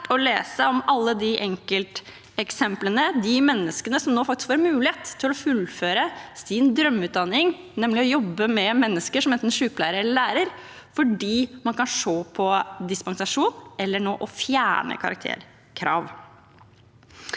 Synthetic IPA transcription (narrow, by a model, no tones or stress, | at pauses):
ɔleːsəɔmɑlːəd̪ɪʔɛŋkəlt̪ | ɛksɛmplənəd̪ɪmɛnːəskənəsɔmnoːfɑk̚t̪ɪskfɑːɾmʉːlɪheːt̪ʰːɪlɔfʉlføːɾəsɪnd̪ɾœmːʉːt̪̚d̪ɑnːɪŋ | nɛmːlɪɔjɔbːəmɛmɛnːəskəʂɔmɛnt̪n̩ʂʉːplæ̰ːɾəɾlæːɾəɾ | fɔɖiːmɑnkɑnʂoːpʰɔd̪ɪspɑnsɑʂuːnɛlːəɳo̰ːʔɔfjæ̰ːɳə̰kʰɑ̰ɾɑkt̪ʰḛːɾ | kʰɾɑ̰ːʋ